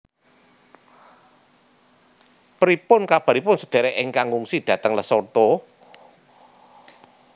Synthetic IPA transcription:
pəɾipʊnkab̥a̤ɾipʊnsəd̪̥a̤ɾɛʔɪŋkaŋuŋsid̪̥ä̤t̪əŋləsort̪ɔ

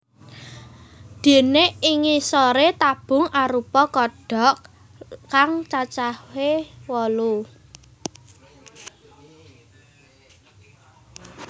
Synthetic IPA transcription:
d̪̥e̤neiŋisɔɾet̪ab̥ʊ̤ŋaɾupɔkɔɖ̥ɔ̤ʔ | kaŋt͡ʃat͡ʃawewɔlu

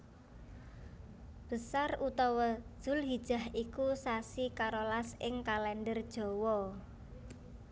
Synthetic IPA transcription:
b̥əsarut̪ɔwɔd̥ʒ̥ʊ̤lɦid̥ʒ̥a̤hikusasikaɾolasɪŋkalɛndərd̥ʒ̥ɔ̤wɔ

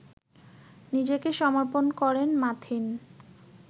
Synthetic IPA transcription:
nid͡ʑekeʃɔmoɾponkɔɾenmat̪ʰin

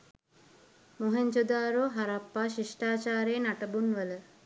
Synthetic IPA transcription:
moɦeɲt͡ʃod̪aːɾoːɦaɾapːaːʃiʂʈaːt͡ʃaːɾeːnaʈəbunʋələ

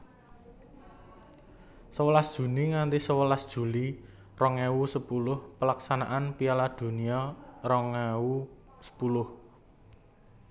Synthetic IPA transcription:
səwəlasd̥ʒ̥ṳniŋant̪isəwəlasd̥ʒ̥ṳli | rɔŋɛwusəpulʊhpəlaksanaʔanpialad̪̥ṳniɔrɔŋɛu | sə̥pulʊh

